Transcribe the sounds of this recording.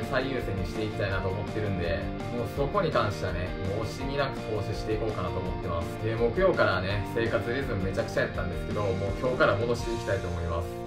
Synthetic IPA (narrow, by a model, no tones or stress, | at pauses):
saiɯ̟ːsẽɲ̟ːiɕi̥t̪e̞ikʲi̥t̪ainat̪o̞ːmo̞t̪ːe̞ɾɯ̟̃nd̪e̞ | mo̞ːso̞ko̞ɲ̟ikãɰ̃ɕi̥t̪eβanemoːɕiɲʲinakɯ̟̥ho̞ːɕiɕi̥t̪e̞iko̞ːkanat̪o̞ːmo̞t̪ːe̞masɨ̥d̪e̞mo̞kɯ̟jo̞ːkaɾane̞se̞ːkat͡sɨɾezɨmmːe̞t͡ɕakɯ̥t͡ɕajat̪ːãnd̪e̞sɨ̥ke̞d̪o̞mo̞ːkʲo̞ːkaɾamod̪o̞ɕi̥t̪eikʲi̥t̪ait̪o̞ːmo̞imasɨ̥